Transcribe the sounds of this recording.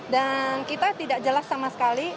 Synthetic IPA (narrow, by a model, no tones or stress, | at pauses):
dankit̪at̪idak̚d͡ʒəlasːamasə̥kali